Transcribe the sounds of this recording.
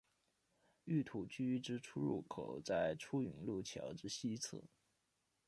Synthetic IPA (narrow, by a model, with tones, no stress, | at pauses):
y˥˩t̪ʰu˨˩t͡ɕy˥ʈ͡ʂɻ̩˥ʈ͡ʂʰu˥ɻṵ˥˩kʰo˨˩ʊt͡sa˥˩ɪʈ͡ʂʰu˥y˧˥ŋlu˥˩t͡ɕʰjɑ̰˧˥ʊʈ͡ʂɻ̩˥ɕi˥t͡s̩ʰ˥˩˦